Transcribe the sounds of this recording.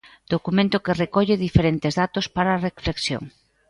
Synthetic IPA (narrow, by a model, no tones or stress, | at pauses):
d̪̥okumẽnt̪ʊkerekɔʎɪðifeɾent̪ɪzðat̪ospaɾɐːrefleksjo̰ŋ